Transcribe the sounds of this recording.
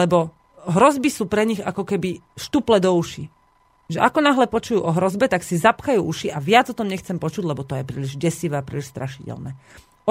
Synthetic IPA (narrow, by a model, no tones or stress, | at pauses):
lɛbɔ | ɦɾɔzbisuːpɾɛɲiɣa̰kɔkɛbi | ʃt̪uplɛd̪ɔuʃi | ʒɛʔakɔnaɦlɛpɔt͡ʃujuːʔɔɦɾɔzbɛt̪aksizapxajuːʔuʃiʔaʋɪad͡zɔt̪ɔmɲɛxt͡sɛmpɔt͡ʃuɟlɛbɔt̪ɔjɛpɾḭliʒɟɛsiʋɛːapɾḭliʃst̪ɾaʃicɛ̰lnɛ̰ | ɔ